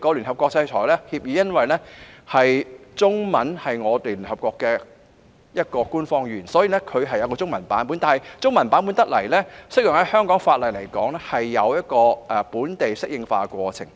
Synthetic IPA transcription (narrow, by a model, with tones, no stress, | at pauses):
kɔ˧ly˨˩nɦɐ˨p̚kʷɔː˧k̚t͡ssɐ˧jt͡ʃʰɔː˨˩jlɛː˥hiː˧p̚jiː˨˧jɐ˥nwɐ˨jlɛ˥hɐ˨jt͡sʊ˥ŋmɐ˨˥nhɐ˨jŋɔː˨˧t̪eː˨˩lyː˨˩nhɐ˨p̚kɔː˧kːɛː˧ | jɐ˥t̚kɔː˧kuː˥nfɔː˧ŋjyː˨˩nsɔː˨˥jiː˨lɛ˥kʰɵ˨˧ɥɦɐ˨jːɐ˨˧wkɔː˧t͡sʊ˥ŋmɐ˨˩npaː˨˥np̬uː˨˥nt̪aː˨nɦɐ˨jt͡sʊ˥ŋmɐ˨˩npaː˨˥np̬u˨˥nt̪ɐ˥k̚lɐ˨˩jlɛː˥sɪ˥k̚jɪ˨ŋhɐ˨˥jhœː˥ŋkɔː˨˥ŋfaː˧t̚lɐ˨˩jle˨˩jkɔː˨˥ŋlɛ˥hɐ˨jːɐ˨˧wjɐ˥t̚kɔː˧ʔɛ˨puː˨˥nt̪e˨jsɪ˥k̚jɪ˧ŋfa̰ː˧kʷɔː˧t͡sʰɪ̰˨˩ŋ